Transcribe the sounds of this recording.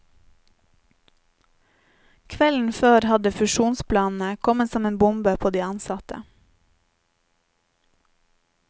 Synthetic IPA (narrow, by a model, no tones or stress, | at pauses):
kʰʋɛln̩føːɾhɑd̪əfʉʃuːnspʰlɑːnn̩əkʰɔmət̪sɔmeːnbʊmbəpʰoːd̪iːɑnsɑt̪ʰə̰